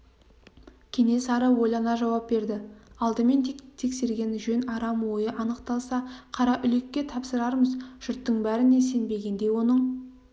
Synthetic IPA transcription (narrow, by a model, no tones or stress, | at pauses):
kʲʰe̞ŋe̞sɑɾəwo̞jlˠɑnɑʒɑwɑp̚be̞ɾd̪ɪɑlˠd̪əme̞nt̪ʰt̪ʰe̞kse̞ɾɡʲe̞nʒɵnɑɾɑmwo̞jəʔɑnəqt̪ɑlˠsɑqʰɑɾɑʔʏle̞kʲːe̞t̪ʰɑpsəɾɑɾməzʒ̥ʏɾt̪ːəɴbæɾɪnese̞nbe̞ɡʲe̞nd̪e̞jwo̞nəɴ